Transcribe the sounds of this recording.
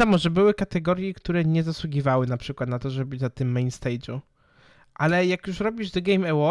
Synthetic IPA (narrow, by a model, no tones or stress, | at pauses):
amɔʐɛbɘwɘkat̪ɛɡɔɾjɛkt̪uɾɛɲɛzaswuɡʲivawɘnapʂɘkwat̪nat̪ɔʐɛbɘnat̪ɘmːɛjnst̪ɛjd͡ʑu | ʔalɛjakjuʂɾɔbʲiʐd̪ɛɡɛjmɛwɔ